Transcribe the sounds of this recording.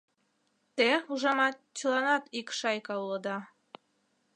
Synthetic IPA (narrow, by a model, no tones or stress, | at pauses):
t̪euʒɑmɑt̪t͡ɕəlˠɑnɑt̪ikʃɑjkɑulɤ̆d̪ɑ